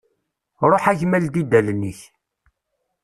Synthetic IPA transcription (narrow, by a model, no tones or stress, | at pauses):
ɾˤoħæʝmæld̪id̪ælniəç